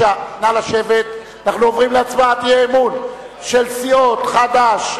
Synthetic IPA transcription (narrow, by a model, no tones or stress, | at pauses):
analaʃe̞vet̪ | anaχnuovʁimleat͡smaat̪jeːmun | ʃelsio̞t̪χad̪aʃ